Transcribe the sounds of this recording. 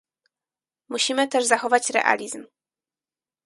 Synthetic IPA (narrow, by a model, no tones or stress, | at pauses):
muɕimɘt̪ɛʐzaxɔvat͡ɕɾɛ̰ʔa̰lʲizm